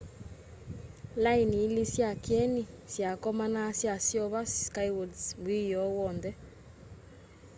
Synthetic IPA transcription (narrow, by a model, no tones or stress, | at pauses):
lainiːlisjakjɛni | sjakɔmanasjasjɔβaskaiwɔdsmwijɔwɔndɛ